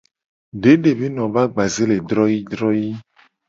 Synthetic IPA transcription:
ɖe˦ɖe˨be˦nɔ̃˨va˦ɡ͡ba˨ze˦le˨d̪ɾɔ˦ji˦d̪ɾɔ˦ji˦

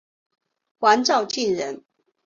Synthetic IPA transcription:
xwa˨˦nt͡sɑ˥˧ʊt͡ɕi˥˨nɻə˨˦n

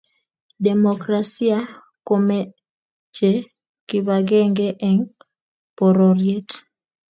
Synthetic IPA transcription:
de˨mokɾasi˦a˦ | ko˨me | t͡ʃe˦ | kɪβaɡɛ˦ŋɡe˦ʔɛ˨ŋ | po˨ɾo˨ɾje˦t

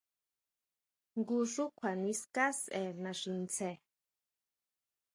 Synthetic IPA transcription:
ŋɡuʂu˦kʷʰa˨niska˦se˨na˧ʂɨ˧nt͡sʰe˨

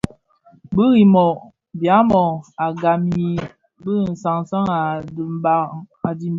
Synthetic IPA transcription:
bə˦ɣi˨mɔ˨ | bja˨˦mɔ˨a˨ɡa˨mi˨ | bə˦n̩˨sa˨ŋ˨sa˦ŋa˨dmba˦ | a˨di˨m˦

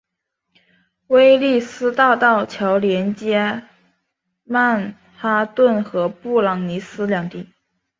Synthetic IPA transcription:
we˥ɪli˥˩sɹ̩˥t̪ɑ˥˧ʊt̪ɑ˥˩ʊt͡ɕʰjɑ˧˥ʊljɛ˧˥nt͡ɕjɛ˥ | ma˥˧n | xa˥t̪wə˥˩nxɤ˧˥pu˥˩lɑ˨˩ŋni˧˥sɹ̩˥ljɑ˨˩ŋt̪i˥˩

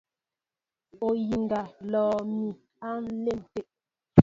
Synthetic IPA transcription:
o˨ji˨ŋɡa˨lɔː˨mi˨ | a˦n̩˦le˦˨m˨te˨ʔ

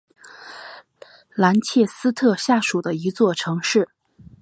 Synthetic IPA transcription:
la˧˥nt͡ɕʰjɛ˥˩sɹ̩˥t̪ʰɤ˥˧ɕja˥˩ʂu˨˩d̪ə˦i˧˥t͡swɔ˥˩ʈ͡ʂʰɤ˧˥ŋʂɻ̩˥˩

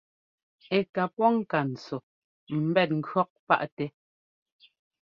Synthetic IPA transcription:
ɛ˨ka˨pɔ˦ŋ̩˦˨ka˨n̩˨t͡so˨ | m̩˨bɛ˦˨t̚ŋ̩˦˨ɡɰɔ˦k̚pa̰˦ʔtɛ˨

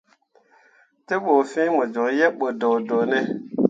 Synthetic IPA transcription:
te˦ɓo˨fĩ˦mo˨d͡ʒo˨ŋjɛ˦ɓo˨do˨do˨nɛ˦

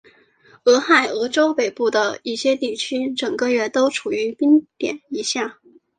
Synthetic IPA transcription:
ɤ˧˥xa˥˩ɪɤ˧˥ʈ͡ʂo˥ʊpe˨˩ɪpu˥˩d̪ə˩i˥˩ɕjɛ˥t̪i˥˩t͡ɕʰy˥ʈ͡ʂɤ˨˩ŋkə˧ɥɛ˥˩t̪o˥ʊʈ͡ʂʰu˨˩y˧˥pi˥ŋt̪jɛ̰˨˩˦ni˧˥ɕja˥˩

